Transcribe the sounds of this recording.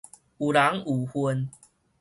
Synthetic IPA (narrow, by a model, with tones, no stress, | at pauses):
u˨la˨˦ŋu˨˩hwə˧n